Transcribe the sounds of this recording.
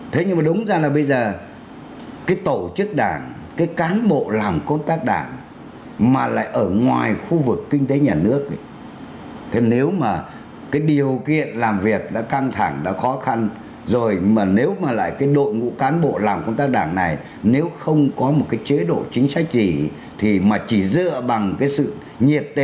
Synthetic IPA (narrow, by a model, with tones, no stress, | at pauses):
t̪ʰe˨˦ɲɨ˧ŋ͡mmaː˨˩ɗʊ˨˦ŋ͡mzaː˧laː˨˩ɓə˧jzəː˨˩ | kaː˨˦jt̪o˧˩t͡ɕɨ˦˥k̚ɗaː˧˩ŋ | kaː˨˦jkaː˨˦nɓo̰˧˨laː˨˩mkə˧wŋ͡mt̪aː˦˥k̚ɗa̰ː˧˩ŋ | maː˨˩la̰ː˧˨jʔəː˧˩ŋwaː˨˩jxu˧vɨ˨˩kːï˧ŋ̟t̪e˨˦ɲaː˨˩nɨ̰˦˥ək̚ | t̪ʰe˨˦ne˨˦wmaː˨˩ | kaː˨˦jɗi˨˩ə˩wkḭ˧˨ənlaː˨˩mvi˨˩ək̚ɗa̰ː˧˥ka˧ŋt̪ʰa˧˩ŋɗa̰ː˧˥xɔ˨˦xa˧n | zo˨˩jmaː˨˩ne˨˦wmaː˨˩la̰ː˧˨jkaː˨˦jɗo̰˧˨jŋṵ˧˥kaː˨˦nɓo̰˧˨laː˨˩mkə˧wŋ͡mt̪aː˦˥k̚ɗaː˧˩ŋna˨˩j | ne˨˦wxə˧wŋ͡mkɔ˨˦mo˨˩t̚kaː˨˦jt͡ɕe˨˦ɗo̰˧˨t͡ɕï˨˦ŋ̟sa˦˥jk̚zi˨˩ | t̪ʰi˨˩maː˨˩t͡ɕi˧˩zɨ̰˧˨əɓa˨˩ŋkaː˨˦jsɨ̰˧˨ | ɲi˨˩ət̚t̪e˨˦